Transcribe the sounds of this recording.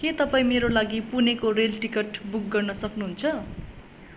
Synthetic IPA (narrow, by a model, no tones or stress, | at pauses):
ket̪ʌpaĩmeɾolaɡipunekorelʈikeʈbuk̚ɡʌrnʌsʌknuɦunt͡sʰʌ